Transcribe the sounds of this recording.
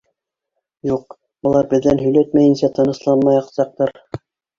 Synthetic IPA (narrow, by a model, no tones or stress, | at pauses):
juq̚ | ŭlˠɑɾbɘ̆ðːænɦɵ̆jlæt̪mæjɘ̆nsæt̪ɤ̆nɤ̆slˠɑnmɑjɑqsɑq̚t̪ɑɾ